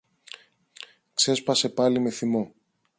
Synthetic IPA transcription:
kse̞spɐse̞pɐlime̞θimo̞

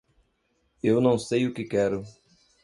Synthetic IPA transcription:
ewnɐ̃w̃sejʊkɪkɛɾʊ

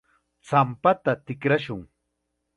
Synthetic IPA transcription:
t͡sampat̪at̪ɪkɾaʃʊŋ

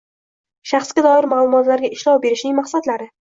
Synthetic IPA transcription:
ʃaχsɡʲad̪ɒɪɾmaːlˠʊmɒt̪laɾɡʲaɪʃlɒwbe̞ɾɪʃnɪŋmaχsad̪laɾɪ

